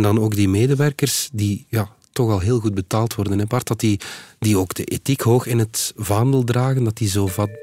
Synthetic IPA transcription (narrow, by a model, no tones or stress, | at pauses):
ndɑnoːɡdimeːdəʋɛrkərsdijaː | tɔxɑlˠɦeːlˠɣud̚bətaːlˠtwɔrdənɦɛbɑrtɑtidioːɡdəʔetikɦoːxɪnɦətvɑːndəlˠdraːɣəndɑtizoːvɑt̚